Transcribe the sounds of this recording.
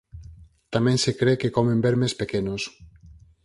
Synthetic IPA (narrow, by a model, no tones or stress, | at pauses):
t̪amɛ̃ŋsekɾekekɔmẽmbeɾmespekenos